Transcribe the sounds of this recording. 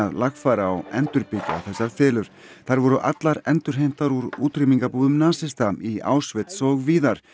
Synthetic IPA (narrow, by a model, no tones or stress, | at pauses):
aðlaxfaːɾaːwɛnt̪ʏɾpɪca̰θɛsːaɾfɛːlʏɾ̥θaɾvɔɾʏʔat̪laɾɛnt̪ʏɾ̥ɦejm̥t̪aɾuɾṵːt̪rimiŋkapuːðʏmnaːsɪst̪amia̰ːwsvɛt̪sɔɣviːðaɾ̥